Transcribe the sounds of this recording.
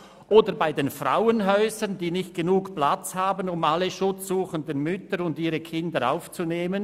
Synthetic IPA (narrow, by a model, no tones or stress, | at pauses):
ʔoːdəɾbaɪdeːnfʁa̰ʊənɦɔʏzəndiːnɪçt̚ɡ̥enuːkplat͡shaːbənʊmaləʃʊt͡sz̥uːχəndənmʏtəɾʊndiːɾəkʰɪndəɾa̰ʊft͡suneːmən